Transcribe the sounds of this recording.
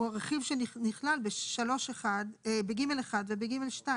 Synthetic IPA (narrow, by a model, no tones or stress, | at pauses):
uaʁeχivʃenniχlalbeʃalo̞ʃeχadebeɡimeleχad̪vebeɡime̞lʃta